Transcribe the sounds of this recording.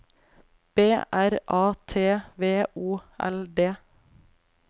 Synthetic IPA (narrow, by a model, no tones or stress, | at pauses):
b̥eːʔæɾʔɑːt̪ʰeːʋeːʔuːɛ̰ld̪eː